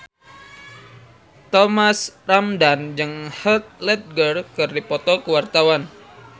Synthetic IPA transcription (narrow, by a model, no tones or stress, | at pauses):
t̪ɔmasramdand͡ʒɨŋhət̪̚lɛt̪̚ɡərkɨrdipɔt̪ɔkəwart̪awan